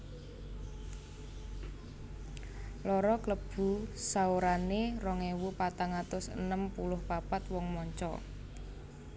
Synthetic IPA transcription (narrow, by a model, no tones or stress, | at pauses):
lɔɾɔkləb̥ṳsaoɾanerɔŋewupat̪aŋat̪ʊsə̰nəmpulʊhpapat̪wɔŋmɔɲt͡ʃɔ̰